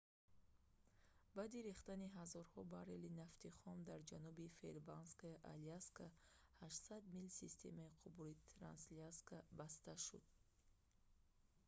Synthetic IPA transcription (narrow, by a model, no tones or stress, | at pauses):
bad̪iɾiχt̪aniɦazɔɾhɔbaɾelinaft̪ʰiχɔmd̪aɾd͡ʒanubifḛlbanskaiʔa̰liaskʰahaʃt̪sad̪milsist̪ʰe̞̰maiqʰubulit̪ʰɾa̰nsliaskʰabast̪aʃṵd̪̥̚